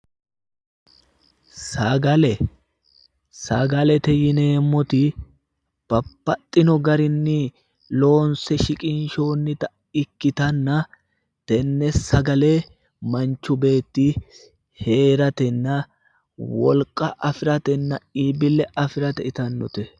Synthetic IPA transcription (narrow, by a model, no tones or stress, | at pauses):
sɐɡɐlɛ | sɐɡɐlɛt̪ɛjɪne̞ːmːɔt̪ɪ | b̥ɐpːɐt̪ʼːɪnɔɡɐɾɪnːɪ | lo̞ːnsɛʃɪkʼɪnʃo̞ːnːɪt̪ɐ | ɪkːɪt̪ɐnːɐ | t̪ɛnːɛɐɡɐle̞ː | mɐnt͡ʃːʊbe̞ːt̪ːi | he̞ːɾɐt̪ɛnːɐ | wɔ̰lkʼɐʔɐfɪɾɐt̪ɛnːɐiːbɪlɛɐfɪɾɐt̪ɛɪt̪ɐnːɔt̪ɛ